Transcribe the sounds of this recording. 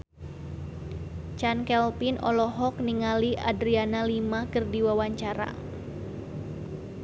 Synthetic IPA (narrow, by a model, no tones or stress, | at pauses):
t͡ʃankɛlpinʔɔ̰lɔɦɔk̚niŋaliʔadɾianalimakɨrdiwawaɲt͡ʃaɾa̰